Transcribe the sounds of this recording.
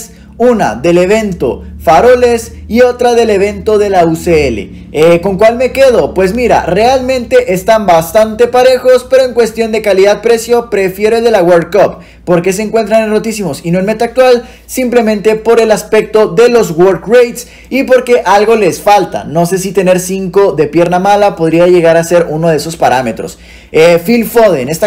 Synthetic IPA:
s | una̰ðe̞le̞β̞e̞nt̪o̞̰faɾo̞le̞s | io̞t̪ɾaðe̞le̞β̞e̞nt̪o̞ðe̞lauseelḛ | eko̞ŋkwalme̞ke̞ð̞o̞pwe̞zmiɾa̰re̞almẽ̞nt̪e̞ʔest̪ambast̪ant̪e̞paɾe̞xo̞spe̞ɾoe̞ŋkwe̞st̪jo̞nd̪e̞kaliðað̚pɾe̞sjo̞pɾe̞fje̞ɾoeld̪e̞laɣwoɾkopː | o̞ɾke̞s̬eːŋkwe̞nt̪ɾanero̞t̪isimo̞sinoelme̞t̪ak̚t̪wal | simple̞mẽ̞nt̪e̞po̞ɾe̞laspe̞k̚t̪o̞ðe̞lo̞zwoɾkrejt̪s | ipo̞ɾke̞ʔalɣo̞le̞sfalt̪a̰no̞se̞s̬it̪e̞ne̞ɾsiŋko̞ðe̞pje̞ɾnamalapo̞ðɾiaʝe̞ɣaɾase̞ɾuno̞ð̞eeso̞spaɾame̞t̪ɾo̞̰s | efilfoðene̞st̪a

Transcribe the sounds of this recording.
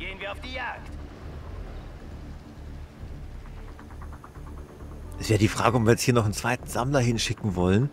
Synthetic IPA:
ɡ̥eːənviːɐaʊfd̥iːjaːkt | ʔɛsveːʁdiːfʁ̥aːɡəɔp̚viːɐjɛt͡sthiːɐnɔχnt͡sv̥aɪtn̩z̥amlɐɦɪnʃɪkŋ̩vɔlən

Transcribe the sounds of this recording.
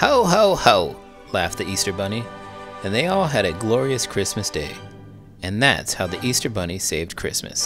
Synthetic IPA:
hoʊɦoʊhoʊ | læft̪̚ðiistə˞bʌniɨ̃nðeɪɔlˠɨɾɨɡlɔɹiɨskʰɹ̥ɪsmɨsd̥eɪ | ɨ̃nðæ̰tshaʊðiʔistə˞bʌñiseɪvd̚kʰɹ̥ɪ̰smɨ̰s

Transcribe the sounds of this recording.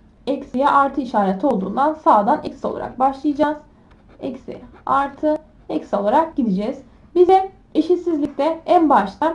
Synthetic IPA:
ɛcsijɛʔaɾt̪ʰɯiʃaːɾet̪ʰo̞lˠd̪ṵːnd̪ansaːd̪anɛcʲsio̞lˠa̰ɾa̰k̚baʃlˠɯjad͡ʒaːz̥ | ɛcsḭaɾt̪ʰɯ | ɛcso̞lˠaɾak̚ɟid̪id͡ʒɛz̥ | bizɛ | eʃit̪sizlʲic̚t̪ʰɛænbaʃt̪ʰan

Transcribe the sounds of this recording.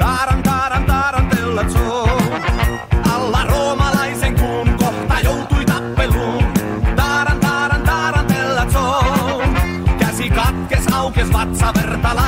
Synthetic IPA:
d̪aɾant̪aɾand̪aɾant̪elːat͡so | alːaromalajseŋkuŋkɔħt̪ajowt̪uit̪apːelu | d̪aɾant̪aɾant̪aɾant̪elːat͡so | kasikat̪̚kesawkezβat̪saβeɾt̪ala

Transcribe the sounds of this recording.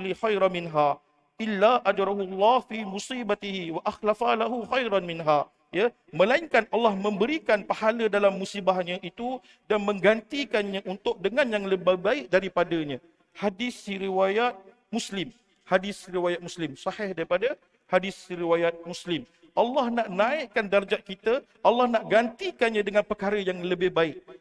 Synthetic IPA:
lixajɾamɪnɦa | ʔɪlːaʔad͡ʒɾɑɦulːɑhfimusibat̪ihiwaʔaxlafalaɦuxajɾanmɪnɦa | ja | məlaɪŋkanʔɑlːɑhmə̃mbəɾikanpahalədalamːusibahɲãʔit̪u | danmə̃ŋɡant̪ikanɲãʔunt̪ʊk̚dəŋanjaŋləbabaɪk̚daɾipadaɲã | hadɪsiɾiwajat̪̚ | muslɪm | hadɪsɾiwajat̪̚muslɪmsɑhɪhdaɾipada | hadɪsɾiwajat̪̚muslɪm | ʔɑlːɑhnaʔnãɪʔkandard͡ʒaʔ̚kit̪ə | ʔalːɑhnaʔɡant̪ikanɲãdəŋanpərkaɾəjaŋləbɪhbaɪʔ̚

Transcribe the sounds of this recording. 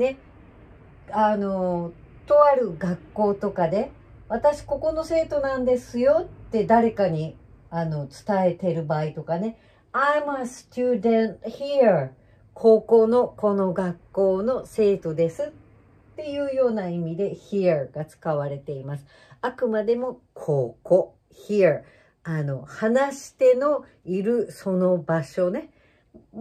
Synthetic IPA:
ne̞ | ano̞t̪o̞aɾɯ̟ɡakːo̞ːt̪o̞kad̪e̞ | βat̪aɕi̥ko̞ko̞no̞se̞ːt̪o̞nãnd̪e̞sɨjo̞t̪ːe̞d̪aɾe̞kaɲ̟iano̞t͡sɨ̥t̪ae̞t̪e̞ɾɯ̟baːit̪o̞kane̞ | ajmast̪uːd̪ẽnçia | kʰo̞ːko̞ːno̞ko̞no̞ɡakːo̞ːno̞se̞ːt̪o̞d̪e̞sɨt̪ː | e̞jɯ̟ːjo̞ːnaimʲid̪e̞çiaɡ̥at͡sɨ̥kaβ̞aɾe̞t̪e̞imasɨ̥ | akɯ̟mad̪e̞mo̞kʰo̞ːko̞ | çia | ano̞hanaɕi̥t̪e̞no̞ | iɾɯ̟so̞no̞baɕo̞ne̞

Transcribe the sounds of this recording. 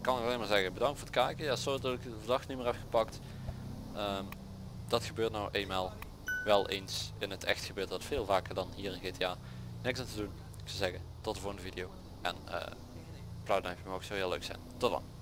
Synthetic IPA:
kɑnɪkɑlejnmaːɹzɛɣəbədɑŋktfʊːɹtəkaːkəjaːsodɔtɪkvdɑxnymɪːɹɦɛpxə̥pɑkt | əm | d̥ɑtxəbøːɹtnɔwʔejmɛlˠ | ʋɛlˠʔensɪnətʰɛ̰xtəxəbøːɹtʋɑtfeːlˠvaːkəɹdɑnɦiːrɪnɣejteaː | nɪksantədun | ɪksəzɛɣə | tɔtəvʊːɹəndəvidijow | ʔɛ̰nə̰ | plawdɛjpəmowksoɦɪːlø̰ɥksɛ̰jntɔtdɑ̰n

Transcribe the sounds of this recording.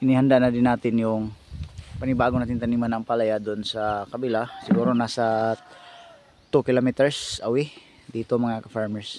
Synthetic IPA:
ʔɪnihand̪aʔnad̪ɪnːaːt̪ɪnjʊŋ | pɐnɪbaːɡonaːt̪ɪŋt̪ɐniːmanɐŋpalajad̪oʔnsɐkɐbɪlasɪɡuːɾonasa | t̪ukɪlomit̪ɛɹsʔɐwɪ | d̪iːt̪omɐŋakɐfaɹmɛɹs

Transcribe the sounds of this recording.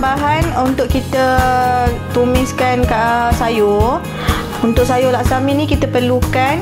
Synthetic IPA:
baɦanunt̪ʊʔkit̪ə | t̪umɪskankaʔsajo | unt̪ʊʔ̚sajolaʔsamĩnĩkit̪əpərlukan

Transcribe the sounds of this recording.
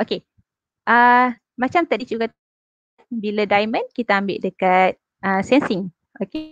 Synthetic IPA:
ʔoke | ʔə | mat͡ʃamt̪adid͡ʒuɡat̪ | t̪̚biladajmə̃nkit̪aambɪ̰ʔdəkat̪̚ | ʔəsɛnsiŋ | ʔoke

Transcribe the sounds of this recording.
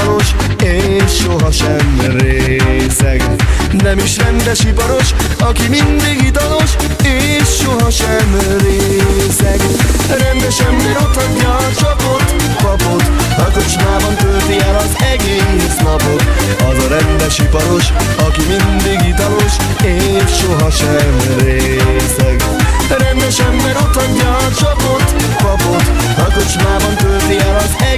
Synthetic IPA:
lo̞ʃ | eːʃːoɦɒʃɛm | reː | sɛɡ | nɛmiʃrɛnd̪ɛʃipɒɾo̞ʃ | ɒkimind̪iɡit̪ɒlo̞ʃ | eː | ʃːoɦɒʃɛm | reːsɛɡ | ɾɛnd̪ɛʃɛmbeɾot̪oɲːɒ | t͡ʃɒpot̪ | kɒpo̞t̪ | ɾɒkot͡ʃmaːbɒnt̪ølt̪iɛlɒzɛɡeː | snɒpo̞t̪ | ɒzɒɾɛnd̪ɛʃipɒnoʃ | ɒkimind̪iɡit̪ɒloʃ | eː | ʃːoɦɒʃɛm | ɾeːsɛɡ̪ | ɛɾɛnd̪ɛʃɛmbɛɾo̞t̪hoɲːlt͡ʃpot̪ | ɒpot̪ | ɾɒk̪ot͡ʃmaːbɒnt̪ølt̪iɛlɒzɛ

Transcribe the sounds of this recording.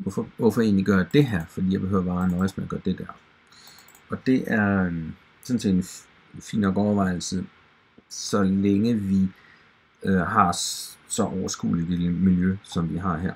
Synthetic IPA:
ʋɔfɒʋɒfɒe̝̰ːnliɡ̥ɶɐjd̥e̝ɦæɐ̰fɒd̥ḭjɑ̈be̝ɦøʊ̰ɐʋɑ̈ːnɒ̽ɪsmeæɡ̥ɶːɐd̥e̝d̥æɐ | ɒ̽d̥e̝ʔæɐ | sɔ̽n̩se̝̰ːd̥en | fḭːnɒɡ̥ɒʊɐʋɑ̈ɪ̰l̩sə | sɒ̽leŋəʋi | øɦɑ̈sɒ̽ʔɒʊɐsɡ̥ṵːli̥elmiljøsɒ̽mʋiɦɑ̈ɦæɐ̰

